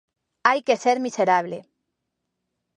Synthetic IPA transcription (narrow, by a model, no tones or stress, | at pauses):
ajkeseɾmiseɾaβ̞lḛ